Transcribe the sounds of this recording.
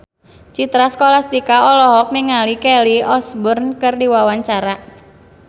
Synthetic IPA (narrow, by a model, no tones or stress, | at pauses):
t͡ʃit̪ɾaskolast̪ikaɔlɔɦɔk̚miŋalikɛliɔsbʊrnkɨrdiwawaɲt͡ʃaɾa